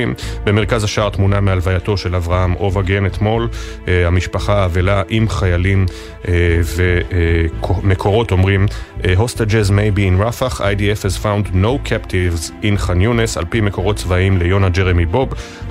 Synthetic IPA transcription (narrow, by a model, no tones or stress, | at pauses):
imbeme̞ʁkazaʃaʁt̪munamealvajato̞ʃe̞lavʁahamo̞vaɡenet̪mo̞l | amiʃpaχaːvelaʔimχajalim | ve | me̞kʰo̞ʁo̞to̞mʁimɦo̞stad͡ʒezmejbiːnʁafaχa̰jdiefhezfawndno̞wkʰaptʰivzinχanjunesa̰lpime̞ko̞ʁo̞tt͡svaimle̞jo̞nad͡ʒeʁemibo̞b